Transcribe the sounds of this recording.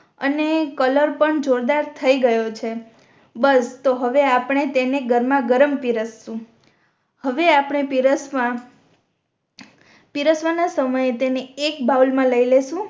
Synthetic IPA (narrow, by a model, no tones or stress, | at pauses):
ə̰nekələɾpəɳd͡ʒoɾd̪aɾt̪ʰəiɡəjot͡ʃʰe | bəst̪oɦəʋeapɳ̃et̪eneɡəɾmãɡəɾəmpiɾəsːũ | həʋeapɳ̃epiɾəsmã | piɾəsʋanasəməjet̪eneːk̚baulmãləileʃũ